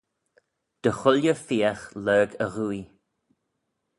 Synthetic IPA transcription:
d̪̥əxʊljəfiaxlɜːɡəɣui

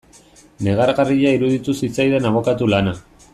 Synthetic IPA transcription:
ne̞ɣ̞aɾɣariʎaiɾuðit̪usit͡sajðe̞naβ̞o̞kat̪ulana

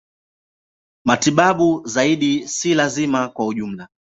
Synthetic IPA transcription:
matiɓaɓuzaiɗisilazimakwauʄum̩la

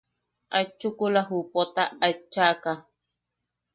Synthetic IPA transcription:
ʔat͡ʃːukulaɦupot̪aːt͡ʃːaka

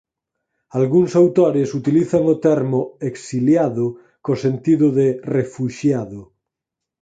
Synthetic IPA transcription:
alɣuŋsawt̪oɾesut̪iliθaŋot̪ɛɾmoeksiljaðʊ | kosent̪iðʊðerefuʃjaðʊ

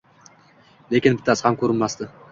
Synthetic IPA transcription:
lekʲɪnbɪt̪ʰːashamkʰʲɵɾɪnmast̪ɪ

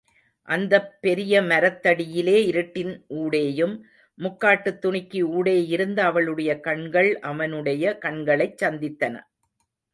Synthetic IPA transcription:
ʔɐnd̪ɐpːɛɾɪjɐmɐɾɐt̪ːɐɽɪjɪleːɪɾɯʈːɪnʔuːɽeːjɯmː | ʊkːaːʈːɯt̪ːʊɳɪkːiuːɽeːjɪɾɯnd̪ɐːʋɐɭɯɽɐjɐkɐɳɡɐɭʔɐʋɐnɯɽɐjɐkɐɳɡɐɭɐɪt͡ʃːɐnd̪ɪt̪ːɐnɐ̰

